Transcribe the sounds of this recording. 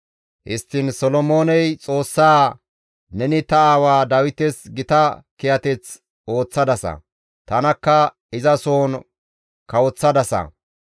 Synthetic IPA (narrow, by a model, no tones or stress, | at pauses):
hɪst̪ːɪnsɔlɔmo̞ːnɛjt͡sʼo̞ːsːaː | nɛnɪt̪ɐaːwaːd̪ɐwɪt̪ɛsɡɪt̪ɐkɛjɐt̪ɛt͡s | o̞ːt͡sːɐd̪ɐsɐ̰ | t̪ɐnɐkːɐ | ɪzɐsoːn | kɐwɔt͡sːɐd̪ɐsɐ̰